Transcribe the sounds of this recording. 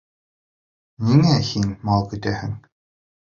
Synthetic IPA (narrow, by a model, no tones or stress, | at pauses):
nʲiŋæhinmɑlˠkɵ̆t̪æhɘ̆ŋ